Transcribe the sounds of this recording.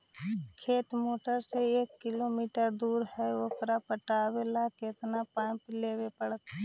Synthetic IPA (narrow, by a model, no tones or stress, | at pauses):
kʰeːt̪moːʈəɾseeːkːɪloːmiːʈəɾd̪uːɾhɛokɾapəʈaːwelaket̪napaːpleːwepəɽət̪